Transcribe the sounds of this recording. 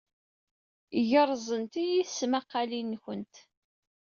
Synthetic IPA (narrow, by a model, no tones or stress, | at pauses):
ʝəɾˤzˤənt̪ijiθsmaqːɑlinːçənt̪